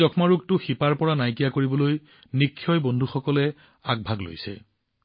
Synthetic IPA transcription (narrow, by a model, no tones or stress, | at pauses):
ɔkʰmaɹuk̚tʊxipaɹpɔɹanajkijakoɹibɔloj | nikʰːjɔjbɔndʱuxɔkɔlɛ | aɡ̚bʱaɡlo̰jsɛ̰